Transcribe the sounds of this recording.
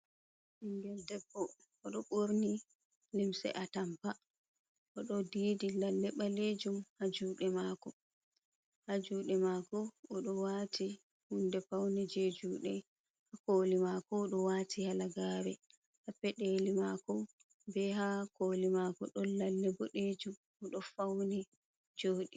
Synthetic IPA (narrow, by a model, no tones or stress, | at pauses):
ʔiŋɡɛldɛbːɔ | ɔɗɔɓoɾni | limsɛ̰ʔatampa | ʔɔɗɔdiːdilalːɛɓaled͡ʒumhad͡ʒuːɗɛmakɔ | had͡ʒuːɗɛmakɔɔɗɔwati | hundɛfawnid͡ʒed͡ʒuːɗɛ | hakoːlimakɔːɗɔwaːtʰihalaɡaɾɛ | hapːɛɗeːlimakɔ | bɛɦakolimakɔ̰ɗɔnlalːɛbɔɗed͡ʒum | ɔɗɔfawni | d͡ʒoːɗi